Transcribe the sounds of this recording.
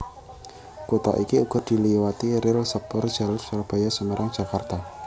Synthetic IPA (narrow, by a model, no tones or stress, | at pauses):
kot̪a̰ʔikiuɡ̥ɔ̤d̪̥i̤liwat̪iɾɪlsəpɔrd̥ʒ̥alarsurb̥ajasəməɾʔaŋ̥d͡ʒ̥a̤kart̪a